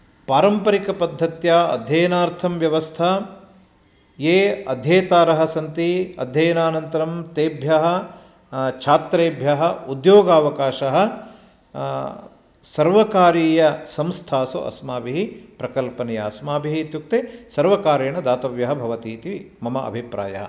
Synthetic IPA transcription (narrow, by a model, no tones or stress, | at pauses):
paːɾɐmpɐɾikɐpɐd̪ʱːɐt̪jaːɐ̰d̪ʱjɐːɐnaːɾt̪ʰɐmʋjɐʋɐst̪ʰɐ | jeːɐd̪ʱjeːt̪aːɾɐɦɐ̆sɐnt̪iɐ̰d̪ʱjɐːjɐnaːnɐnt̪ɐɾɐmt̪eːbʱjɐɦɐ̆ | t͡ʃʰaːt̪ɾeːbʱjɐɦɐ̆ud̪joːɡaːʋɐkaːʃɐɦɐ̆ | sɐɾʋɐkaːɾiːjɐsɐmst̪ʰaːso̰ʔɐ̰smaːbiɦipɾɐkɐlpɐnɐjaːɐsmaːbiɦit̪juk̚t̪esɐɾʋɐkaːɾɐɳɐd̪aːt̪ɐʋjɐɦɐbʱɐʋɐt̪iːt̪i | mɐmɐɐ̰bʱipɾa̰ːjɐ̰ɦɐ̰